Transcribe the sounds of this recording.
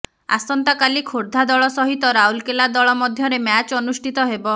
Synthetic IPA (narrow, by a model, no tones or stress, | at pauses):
a̰sɔnt̪akalikʰoɾd̪ʱad̪ɔɭɔsɔɦit̪ɔɾaulkelad̪ɔɭɔmɔd̪ʱjɔɾemat͡ʃɔnusʈʰit̪ɔɦebɔ